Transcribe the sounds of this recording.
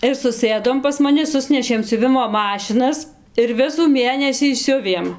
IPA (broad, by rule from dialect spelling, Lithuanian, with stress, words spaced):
ɪr sʊˈsɘdoːm pɐs mɐˈnʲɪ ˈsʊsʲnʲɛʃʲeːm sʲʊˈʋʲɪmoː ˈmɑːʃʲɪnɐs ɪr ˈʋʲɪsuː ˈmʲeːnʲɛsʲiː ˈsʲʊʋʲeːm